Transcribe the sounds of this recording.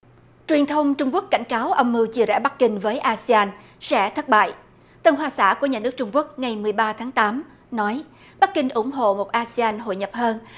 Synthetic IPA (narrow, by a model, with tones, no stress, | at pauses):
t͡ɕwi˨˩ənt̪ʰə˧wŋ͡mt͡ɕʊ˧ŋ͡mku˦˥ək̚ka̰˧˩jŋ̟kaː˨˦wʔə˧wŋ͡mmɨ˧wt͡ɕi˧əzɛ̰˧˩ɓa˦˥k̚kï˧ŋ̟vəː˨˦jʔaː˧si˧aː˧n | sɛ̰˧˥t̪ʰə˦˥t̚ɓa̰ː˧˨j | t̪ə˧nɦwaː˧sa̰ː˧˩ku˧˩əɲaː˨˩nɨ˦˥ək̚t͡ɕʊ˧ŋ͡mku˦˥ək̚ŋa˨˩jmɨ˨˩əjɓaː˧t̪ʰaː˨˦ŋt̪aː˨˦m | nɔ˨˦j | ɓa˦˥k̚kï˧ŋ̟ʔʊ̰˧˩ŋ͡mɦo̰˧˨mo˨˩t̚ʔaː˧si˧aː˧nɦo̰˧˨jɲə˨˩p̚həː˧n